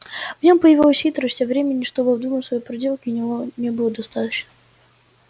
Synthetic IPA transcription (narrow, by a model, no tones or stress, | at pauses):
vnʲompəjɪvoʊsʲxit̪ɾəsʲevɾʲemʲɪnʲːɪʂt̪obəvd̪umənsvɐjejpɾɐdʲelˠkʲɪʊnʲɪvonʲebɨlˠəd̪ɐst̪at̪ət͡ɕnə